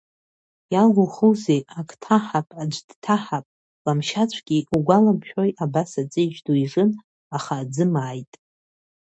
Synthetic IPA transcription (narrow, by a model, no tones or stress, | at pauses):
jalɡʷʊχɨze̞jakʰʼtʰaħapʼad͡ʒʷdtʰaħapʼ | lamʃat͡ɕʷʰɡ̥ʲiuɡʷalamʰʃᶣojʔabasat͡sʼɨd͡ʒdujʐɨn | aχaːd͡zɨmaːjtʼ